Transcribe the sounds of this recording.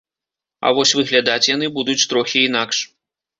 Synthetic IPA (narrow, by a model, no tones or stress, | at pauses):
a̰vɔsʲvɨɣlʲad̪at͡sʲjan̪ɨbud̪ut͡sʲt̪ɾɔxʲiːn̪akʂ